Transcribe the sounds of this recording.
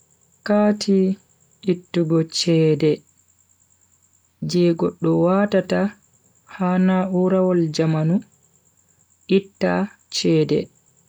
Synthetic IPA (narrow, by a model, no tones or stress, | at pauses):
kaːtʰi | ʔitːuɡɔt͡ʃɛːdɛ | d͡ʒɛːɡɔɗːɔwatata | hanauɾawɔld͡ʒamanu | ʔitːa | t͡ʃɛːdɛ̰